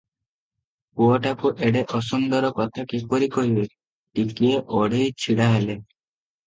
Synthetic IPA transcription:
uɔʈakuʔeɽeʔɔs̬und̪ɔɾɔkɔt̪ʰakipɔɾikɔɦibe | ʈikieʔɔɽ̤ejt͡ʃʰiɽaɦele

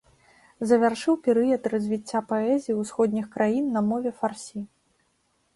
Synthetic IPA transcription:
zɐvʲarʂɨwpʲɛɾɨjɐt̪rɐzʲvʲit͡sʲːapaɛzʲijiwsxɔd̪ʲnʲixkɾajinːɐmɔvʲɛfarsʲi

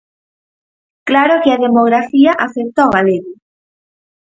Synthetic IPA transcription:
klaɾokɪaðemoɣ̞ɾafiɐʔaθekt̪oɣaleɣʊ

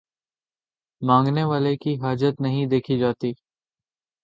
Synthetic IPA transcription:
mãːŋɡneʋaːlekiɦaːd͡ʒət̪nɐɦĩd̪eːkʰid͡ʒaːt̪iː

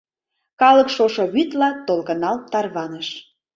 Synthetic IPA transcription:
kɑlɤ̆kʃoʃoβyt̪lɑt̪olkɤ̆nɑlt̪ɑrβɑnəʃ

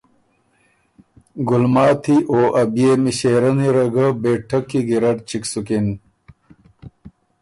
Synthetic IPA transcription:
ɡulmaːt̪ʰiʔoːʔɐbjeːmiɕeːɾɐniɾɐɡɐbeːʈʰɐkːiɡiɾɐʈt͡ɕiksukin

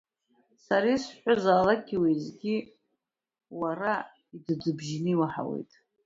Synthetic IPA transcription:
saɾisħʷᶣʊzaːlakɡʲiwezɡʲi | waɾa | idɨd͡zɨbʒnɨiwaħa̰wḛjtʼ

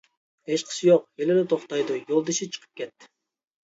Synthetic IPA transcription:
eʃqʰə̥sɨjoqeleɾet̪ʰoχt̪ɑjd̪ujolˠd̪eʃit͡ʃʰɨ̥qʰə̥p̚kʲet̪ːɪ̥

